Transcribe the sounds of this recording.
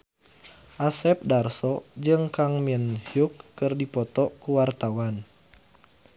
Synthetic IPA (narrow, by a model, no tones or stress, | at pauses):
ʔasɛp̚darsɔd͡ʒɨŋkaŋminhjukːɨrdipɔt̪ɔkuwart̪awan